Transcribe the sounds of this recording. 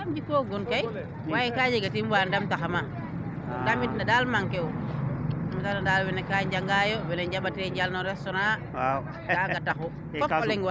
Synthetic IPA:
amd͡ʒikoɡunkaj | wajɛkad͡ʒiɡatimwandamtaxama | damitnadalmaŋkɛw | mitanadalwɛnekaɲd͡ʒaŋɡajɔbɛnɛɲd͡ʒabatɛɲd͡ʒalnɔɾɛstɔɾa | kaɡataxu | kɔɔlɛŋwa

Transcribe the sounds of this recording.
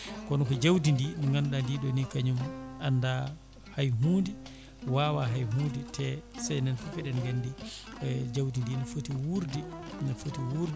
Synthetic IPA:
kɔnɔkɔd͡ʒawdindinŋɡanɗandiɗɔnikaɲumanːda | hajɦuːndi | wawaɦajɦuːditʰɛsajnɛnfufɛɗɛnɡanːdi | d͡ʒawdindinɔfotiwuɾdinɔfotiwuɾdi

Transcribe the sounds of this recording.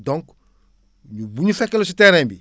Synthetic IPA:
dɔ̃ŋk | ɲubuɲufekelos̬iteɾẽmbi

